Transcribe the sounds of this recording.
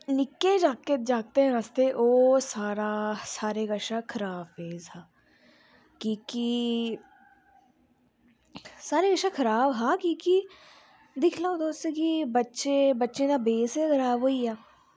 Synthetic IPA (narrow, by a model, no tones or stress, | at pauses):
nɪkːed͡ʒaːkːed͡ʒaːɡ̚t̪eɦɛ̃ɾaːst̪eʔoːsaːɾasaːɾeɡəʃakʰəɾaːbfeːzɦaː | kiːki | saːɾeɡəʃakʰəɾaːbɦaːkiːki | d̪ɪkʰlaːod̪oːst̪ekibətːʃẽbətːʃẽd̪abeːsekəɾaːbɦoːiaː